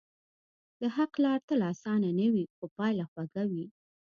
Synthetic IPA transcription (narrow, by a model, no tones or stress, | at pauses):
d̪̥əɦaqlɑɽt̪əlɑsɑnanəwixopɑjlaxwaɡawi